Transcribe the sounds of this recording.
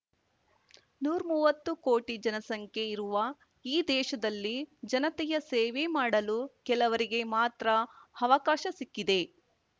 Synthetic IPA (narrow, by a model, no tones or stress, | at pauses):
nuːɾmuːʋɐt̪ːuko̞ːʈid͡ʒɐnɐsɐŋkʰe̞iɾuʋɐ | iːd̪ɛːʃɐd̪ɐlːid͡ʒɐnɐt̪ɛjɐseːʋemaːɽɐlukɛlɐʋɐɾiɡe̞maːt̪ɾɐɐʋɐkaːʃɐsikːid̪e̞